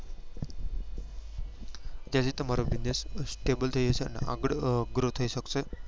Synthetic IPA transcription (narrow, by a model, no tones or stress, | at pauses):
d͡ʑasiːt̪əmaɾobinessʈebəlt̪ʰəiəseə̰n̰a̰ɡəɽɡɾot̪ʰəiɕəkte